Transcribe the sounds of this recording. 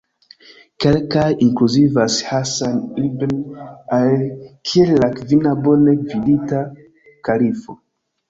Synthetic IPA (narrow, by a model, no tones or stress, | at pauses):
kelkajiŋkluzivashasanibenalkʰiellakvinabonevilita | kalifo